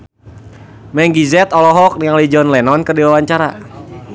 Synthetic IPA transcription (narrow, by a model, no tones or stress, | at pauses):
mɛŋɡizɛt̪ɔlɔɦɔk̚niŋalid͡ʒɔnlɛnɔnkərdiwawaɲt͡ʃaɾa